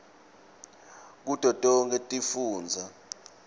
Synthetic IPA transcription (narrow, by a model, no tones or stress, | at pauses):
k̬ud̥ʱɔd̥ʼɔŋkɛtʼifuːnd͡zʱa